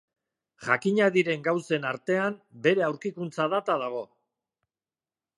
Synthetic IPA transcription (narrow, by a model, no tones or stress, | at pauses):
ʝakiɲaðiɾe̞ŋɡawse̞naɾt̪e̞ambe̞ɾe̞awɾkikunt͡saðat̪að̞aɣ̞o̞